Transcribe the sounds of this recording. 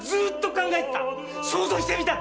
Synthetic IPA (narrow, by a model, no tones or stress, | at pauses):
zɨːt̪ːo̞kãŋɡaet̪et̪a | soːzoːçi̥t̪emʲit̪a